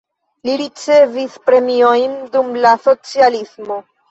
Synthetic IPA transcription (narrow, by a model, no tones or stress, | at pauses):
liɾit͡se̞vispɾe̞mio̞jndumlaso̞t͡sialismo̞